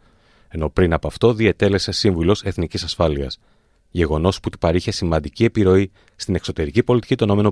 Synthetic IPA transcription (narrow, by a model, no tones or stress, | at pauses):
e̞no̞pɾinɐpɐft̪o̞ðiet̪e̞le̞se̞siɱvulo̞se̞θnicisɐsfɐliɐ̰s | ʝe̞ɣo̞no̞sput̪u̥pɐɾiçe̞simɐnd̪icie̞piɾo̞i | st̪ine̞kso̞t̪e̞ɾicipo̞lit̪i̥cit̪o̞no̞me̞no